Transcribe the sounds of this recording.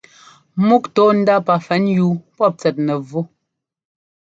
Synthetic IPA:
mu˦k̚tɔ˨˦n̩˦da˦pa˨fɛ˨˦nju˦pɔ˦˨p̚t͡sɛ˨t̚nɛ˨vo˦

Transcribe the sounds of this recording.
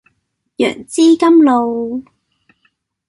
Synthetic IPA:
jœ̰ː˨˩ŋt͡siː˥kɐ˥mlo˨˧w

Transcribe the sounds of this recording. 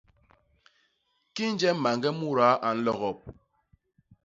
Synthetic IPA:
ki˦n̩˦d͡ʒɛ˦m̩˦ma˨ŋɡɛ˦mu˦ɾa˨˦ʔa˨n̩˦lɔ˦ɣɔ˨p̚

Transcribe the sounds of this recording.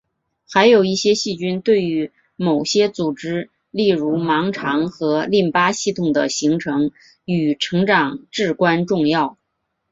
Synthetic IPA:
xa˧˥ɪjo˨˩ʊi˥˩ɕjɛ˥ɕi˥˩t͡ɕy˥nt̪we˥˩ɪy˧˥ | mo˨˩ʊɕjɛ˥t͡su˨˩ʈ͡ʂɻ̩˥ | li˥˩ɻu˧˥mɑ˧˥ŋʈ͡ʂʰɑ˧˥ŋxɤ˧˥li˥˩npa˥ɕi˥˩t̪ʰʊ˨˩ŋd̪ə̰˦ɕi˧˥ŋʈ͡ʂʰɤ˧˥ŋ | y˨˩ʈ͡ʂʰɤ˧˥ŋʈ͡ʂɑ˨˩ŋʈ͡ʂɻ̩˥˩kwa˥nʈ͡ʂʊ˥˧ŋjɑ˥˩ʊ

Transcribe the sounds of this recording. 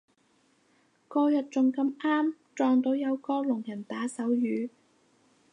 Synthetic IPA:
kɔː˧jɐ˨t̚t͡sʊ˨ŋkɐ˧mʔaː˥mt͡sɔː˨ŋt̪o˨˥wjɐ˨˧wkɔː˧lʊ˨˩ŋjɐ˨˩nt̪aː˨˥sɐ˨˥wjyː˨˧

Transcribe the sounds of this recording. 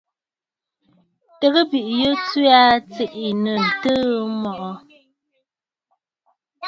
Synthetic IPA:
tə˨ɣə˦bi˨ʔjə˦t͡sɥa˦t͡si˨ʔi˨nə˨n̩˨tə˦mɔ˨ʔɔ˨

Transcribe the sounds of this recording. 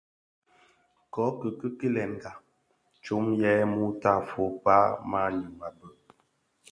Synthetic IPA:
kɔ˨˦kə˨kə˦ki˦lɛ˨nɡa˨ | t͡ʃo˦mjɛ˦mu˦ta˦˨fo˨˦pa˦ma˦ɲu˨ma˨bə˨

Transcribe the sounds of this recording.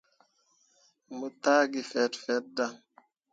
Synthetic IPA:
mə˨ta˦ɡi˨fɛ˨˦tfɛ˨˦t̚da˨ŋ

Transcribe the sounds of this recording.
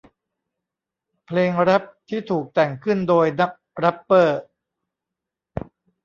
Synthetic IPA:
pʰleː˧ŋɾa˦˥p̚t̪ʰiː˥˩t̪ʰuː˨˩k̚t̪ɛ˨˩ŋkʰɯ˥˩ndoː˧jna˦˥k̚ɾa˦˥pːɤː˥˩

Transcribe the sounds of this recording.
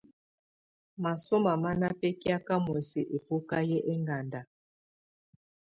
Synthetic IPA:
ma˨so˦ma˨ma˦na˦pɛ˦ki˦a˦ka˦mwɛ˨se˨ʔe˨po˦ka˦jɛ˦ʔe˦ŋɡa˨nda˨

